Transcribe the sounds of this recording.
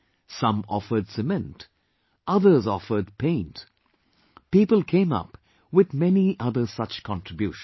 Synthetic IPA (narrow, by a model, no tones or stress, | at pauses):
sʌ̃mɔ̰fə˞dsɨmɛ̃nt | ʔʌðə˞zɔfə˞d̚pʰẽɪ̃nt | pipəl̩ˠkʰẽɪ̃mʌ̰p | wɪðmɛniʔʌðə˞sʌt͡ʃkʰɑ̃ntʰɹ̥ɨbjuʃ